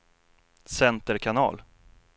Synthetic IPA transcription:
sɛnt̪əɾkʰanɑ̰ːl

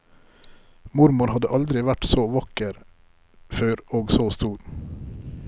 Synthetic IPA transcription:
mʊɾmʊɾhɑd̪əʔɑld̪ɾɪʋæʈsoːʋɑkəɾ | føːɾoːɡsoːst̪uːɾ

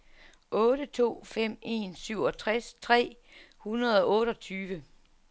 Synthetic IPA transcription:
ʔɔ̽ːɾ̥ət͡sʰo̝̰ːfem̰e̝nsyʊ̰ɒ̽t͡sʰʁast͡sʰʁɛ̰ː | hunɐðˠɒ̽ʔɔ̽ːɾɒ̽t͡sʰyːʋə

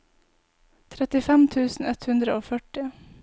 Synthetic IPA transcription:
t̪ʰɾɛt̪ɪfɛmt̪ʰʉːsn̩ɛt̪hʉnd̪ɾəoːfœʈɪ

